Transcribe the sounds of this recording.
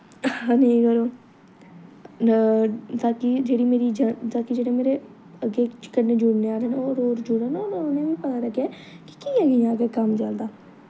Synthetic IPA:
haːneĩkəɾoː | t̪aːkid͡ʒeːɽiːmeːɾid͡ʒət̪aːkid͡ʒeːɽemeːɾe | əɡeːkəɾneːd͡ʒʊɽneaːɽeːnaoːɾoːɾd͡ʒʊɽaːnaoːɾnẽʋiːpət̪aːɾəkʰːja | ki̥kiːɛɡəjãːɡekəmt͡ʃəld̪aː

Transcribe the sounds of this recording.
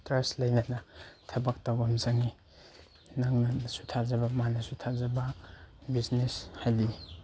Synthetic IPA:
tɾeslɐjnɐnɐtʰɐbɐk̚tawbamzaŋi | naŋnɐsu̥tʰazɐbɐmanɐsutʰazɐbɐbizneshajdi

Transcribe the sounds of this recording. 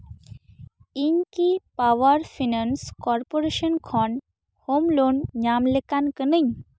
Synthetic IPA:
inkipawaɾfʰinanskɔɾpoɾeʃənkʰɔn | homlonɲamlekankənəɲ

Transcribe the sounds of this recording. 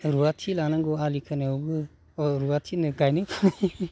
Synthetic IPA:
ɾuwatʰilanaŋɡɔalikʰɯneɔɡɯ | ɾuwatʰinɯɡajnɯpʰa

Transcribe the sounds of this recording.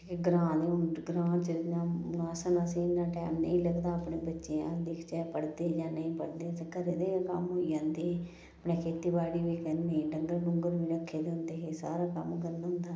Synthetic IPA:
kɡɾãːd̪eːʊnɡɾãːt͡ʃənãːʊnaːsənasẽːnːãːʈɛ̰ːmnə̰ĩːləɡd̪aːəpneːbətːʃeːã̰ːd̪ekʰt͡ʃɛːpəɽd̪eːd͡ʒaːnəĩːpəɽd̪eːskəɾeːd̪eːkəmɦoːiːd͡ʒãːnd̪eː | əpnẽːkʰeːt̪iːbaːɽiːʋiːkɛ̃ːnd̪ẽːɖəŋɡəɾɳʊŋɡəɾʋiːɾəkʰːeːd̪eːʊnd̪eːɦeːsa̰ːɾaːkəmkəɾnaɦʊ̃nd̪aː

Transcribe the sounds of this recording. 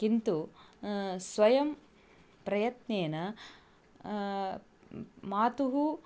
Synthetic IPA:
kint̪u | sʋɐjɐm | pɾɐjɐt̪neːnɐ | maːt̪uɦu

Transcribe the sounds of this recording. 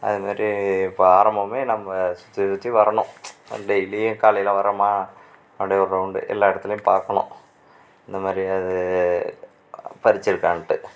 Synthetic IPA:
ɐ̰ðɯmaːd̪riːpːoaːɾɐmbɐmeːnɐmːɐsu̥t̪ːisut̪ːiʋɐɾɐɳʊ̃ɖejlikaːlɐjɪlɐʋɐɾɐmaː | ɐʋɐɽɐjɐɔɾrɐʊɳɖɯ̰ʔɛ̰lːaːɪɽɐt̪ːɪlɐjũmpaːɾkːɐɳʊ̰̃ | ɪnd̪ɐmaːd̪ɾiɐðɯ | pɐɾɪt͡ɕːɪɾɯkːaːnɐʈːɯ

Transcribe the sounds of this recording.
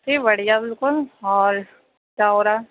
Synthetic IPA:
ʈʰibɐɽ̤ijabɪlkʊlɔːɾ | t͡ʃaoɾa

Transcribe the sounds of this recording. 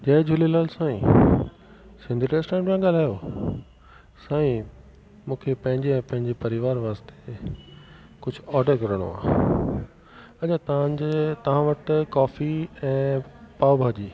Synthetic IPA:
d͡ʑɐːd͡ʑʱʊlelaːlsãːĩ | sɪ̃nd̪ʱiʈeːsʈɛ̃ːɳʈmãɡaːl̤aːjo | sãːĩ | mũːkʰepɐ̃ɦɪ̃ɲd͡ʑeɛ̃ːpɐ̃ɦɪ̃ɲd͡ʑepɐɾɪʋaːɾʋaːst̪e̥ | kʊd͡ʑʱʊɔːɾɖəɾkɐɾəɽ̃o̰a̰ː | ɐt͡ɕʰat̪ɐʋãd͡ʑet̪ɐʋ̤ãʋɐʈkɔːfiɛ̃ːpaːʋbʱaːd͡ʑiː

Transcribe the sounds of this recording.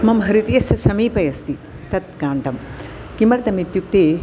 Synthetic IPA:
mɐmɦɐɾit̪ijɐsɐsɐmiːpɐjɐst̪i | t̪ɐt̪̚ɡaːɳʈɐm | kimɐɾt̪ɐmit̪jup̚t̪eː

